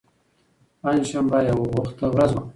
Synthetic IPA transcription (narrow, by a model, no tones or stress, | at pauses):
panʃambajawaɣʊxt̪əwɾazma